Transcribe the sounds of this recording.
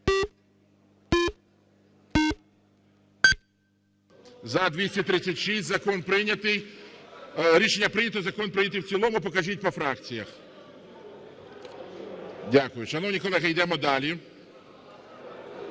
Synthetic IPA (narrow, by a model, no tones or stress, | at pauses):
zɐd̪ʲʋʲisʲɐt̪ɾɪt͡sʲːɐtʲʃisʲtʲzɐkɔnpɾɪnʲɐt̪ɪj | ɾʲiʃenʲːɐpɾɪnʲɐt̪ɔzɐkɔnpɾɪnʲɐt̪ɪwt͡sʲilˠɔmʊpɔkɐʒit̚ʲpɔfɾɑkt͡sʲijɐx | dʲakʊjʊʃɐnɔwnʲikɔlˠɛɦɐjd̪ɛmɔd̪ɑlʲi